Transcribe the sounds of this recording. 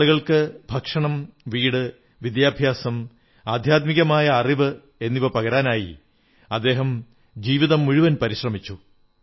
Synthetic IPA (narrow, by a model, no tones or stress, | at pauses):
uɣɐɭkɨbʱɐkʂɐɳɐmʋiːɽɨ | ʋid̪jaːbʱjaːsɐm | aːd̪ʱjaːt̪̚miɣɐmaːjɐːriʋɨ | e̞nːiʋɐpɐɣɐɾaːnaːjḭ | ɐd̪ːe̞ːɦɐm | d͡ʑiːʋiðɐmːuɻuʋɐnpɐɾiɕrɐmit͡ɕːu